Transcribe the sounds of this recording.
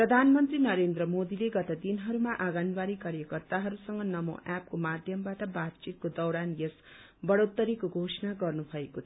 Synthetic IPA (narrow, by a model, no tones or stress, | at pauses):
prʌd̪ʱanmʌnt̪rinʌɾend̪rʌmod̪ileɡʌt̪ʌd̪inɦʌɾumaʔaɡʌnbaɾikaɾjʌkʌrt̪aɦʌɾusʌŋɡʌnʌmo̰ʔap̚komad̪ʱjʌmbaʈʌbat̪̚t͡ʃit̪̚kod̪ʌwɾanjes | bʌɽot̪ːʌɾikoɡʱosʌnaɡʌrnubʱʌekot̪ʰʌ